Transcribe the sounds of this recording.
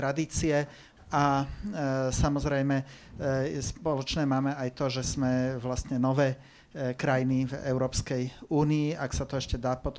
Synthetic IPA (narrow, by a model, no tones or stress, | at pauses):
ɾad̪iːt͡siɛ | a | samɔzɾɛjmɛ | spɔlɔt͡ʃnɛːmaːmɛajt̪ɔʒɛz̥mɛʋlast̪ɲɛnɔʋɛː | kɾajnivɛ̰ʊɾɔːpskɛjuːniːaksat̪ɔɛʃcɛd̪aːpɔt̪